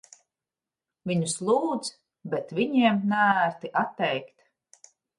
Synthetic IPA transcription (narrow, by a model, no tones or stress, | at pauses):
viɲuslˠuːd̪z | bɛt̪vʲiɲiɛmnæɾt̪iʔat̪ːɛjkt̪